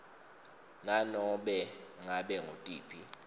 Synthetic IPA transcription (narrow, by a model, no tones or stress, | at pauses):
nanɔɓɛŋaɓɛŋʱo̰tʼḭːpʰi